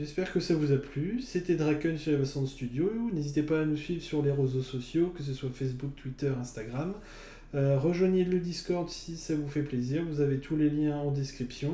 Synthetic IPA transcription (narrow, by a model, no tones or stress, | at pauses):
ʒɛspɛʁkəsavuzaplyset̪ɛd̪ʁakʲœnsyʁlevasɔ̃d̪əst̪yd̪jounezit̪epaːnusɥivʁsyʁleʁezosɔsjokəs̬əswafɛs̬buk̚t̪ʰwit̪œʁɛ̃st̪aɡʁam | øʁəʒwaɲeləd̪iskɔʁd̪sisavufɛpleziʁvuzavet̪ʰuleljɛ̃ɑ̃d̪eskχipsjɔ̃